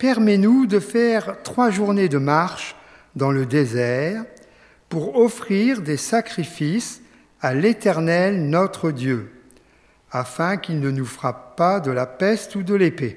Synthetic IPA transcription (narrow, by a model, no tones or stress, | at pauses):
pɛʁmɛnud̪əfɛʁt̪χwaʒuʁned̪əmaʁʃ | d̪ɑ̃ləd̪ezɛʁ | puʁɔfχiʁd̪esakχifis | alet̪ɛʁnɛlnɔt̪χəd̪jø | afɛ̃kilnənufχappad̪əlapɛst̪ud̪əlepe